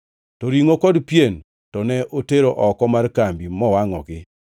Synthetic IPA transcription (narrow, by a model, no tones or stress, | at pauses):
tɔɾiŋokɔdpjen | tɔnɛʔoteɾoʔɔkɔmarkambimɔwaŋɔ̰ɡɪ